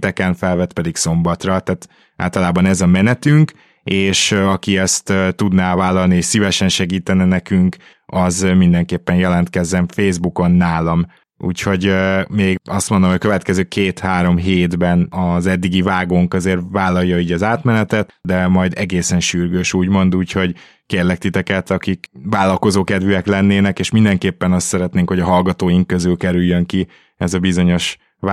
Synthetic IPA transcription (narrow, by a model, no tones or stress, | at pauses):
t̪ɛkɛɱfɛlvɛt̪pɛd̪ikso̞mbɒt̪rɒt̪aːt̪ | a̰ːlt̪ɒlaːbɒnɛzɒmɛnɛt̪yŋk | eːʃɒkiɛst̪t̪ud̪navaːlːɒlnieːʃsivɛʃɛnʃɛɡiːt̪ɛnɛnɛkyŋk | ɒzmind̪ɛŋkeːpːɛnjɛlɛnt̪kɛzːɛɱfeːzbuko̞nːaːlɒm | ṵːcho̞ɟmeːɡɒst̪mond̪omɦoɟkøvɛt̪kɛzøːkʰeːt̪haːɾo̞mɦeːd̪bɛnɒzɛd̪ːiɡivaːɡoːŋkɒzeːrvaːlːɒjːɒiːɟɒzaːt̪mɛnɛt̪ɛt̪d̪ɛmɒjd̪ɛɡeːsɛnʃyrɡøːʃuːɟmo̞nd̪uːcho̞ɟ | keːrlɛk̚t̪it̪ɛkɛt̪ɒkikvaːlɒlko̞zoːkɛd̪vyɛklɛnːeːnɛkeːʃmind̪ɛŋkeːpːɛnɒst̪sɛɾɛt̪neːŋkho̞ɟɒɦɒlɡɒt̪oːjiŋkːøzylkɛɾyjːøŋki | ɛzɒbizo̞ɲo̞ʃ